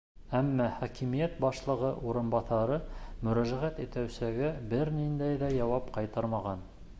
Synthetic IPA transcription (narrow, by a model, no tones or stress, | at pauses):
æmːæχɑkimijæt̪̚bɑʃlˠɤ̆ʁɤʔuɾɤ̆nbɑθɑɾɤmɵ̆ɾæʒæʁæt̪it̪æwsæɡæbɘɾnind̪æjðæjɑwɑpqɑjt̪ɤɾmɑʁɑn